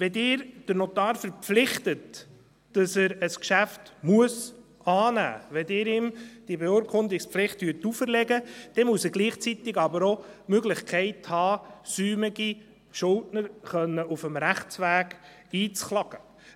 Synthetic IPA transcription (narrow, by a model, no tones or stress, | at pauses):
ʋɛdɪːɾd̥əɾnotɑːɾfəɾpflɪχtət | d̥ɑsæɾəskʃæftmuəs | ʔɑːnæ̰ːʋɛdɪːɾɪmd̥ibeuːɾkʰχʊnd̪ɪksplɪχtʋyːtufəɾlɛɡəd̥ɛmuəsəɡ̥liːχt͡sit̪ɪɡɑbəɾomøɡlɪχkʰɛɪthɑːsyːmɪɡi | ʃʊltnəɾχœnːəʔufəmɾæχt͡sʋæːɡ̥ | iːt͡sχlɑɡ̥ə